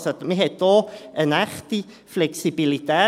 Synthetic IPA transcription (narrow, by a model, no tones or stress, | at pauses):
sadmiɦedɔənaχti | flɛksibilidaː